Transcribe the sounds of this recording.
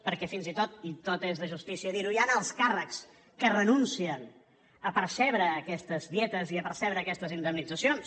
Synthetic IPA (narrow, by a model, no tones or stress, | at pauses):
pəɾkɛfinzit̪ot̪it̪ot̪ezðəʒust̪isiəðiɾuianəlˠskarəks | kərənunsiən | əpəɾsɛβɾəːkɛst̪əzðjɛt̪əziəpəɾsɛβɾəːkɛst̪əzind̪əmnid͡zəsions